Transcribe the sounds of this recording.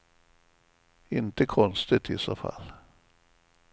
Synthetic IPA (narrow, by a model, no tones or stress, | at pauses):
ɪnt̪əkʰɔnst̪ɪt̪ʰɪsoːfa̰lː